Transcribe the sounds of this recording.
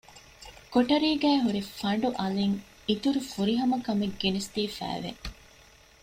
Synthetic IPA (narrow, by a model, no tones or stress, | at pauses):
koʈɐɾiːɡæːɦuɾefɐɳ̆ɖuʔɐleŋ | it̪uɾufuɾiɦɐmɐkɐmeɡːenist̪iːfæ̰ːʋḛ